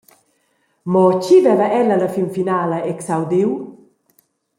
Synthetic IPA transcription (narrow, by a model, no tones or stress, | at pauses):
mɔt͡ʃivɛvəʔɛlːələfimfinaːləɛksawd̪iw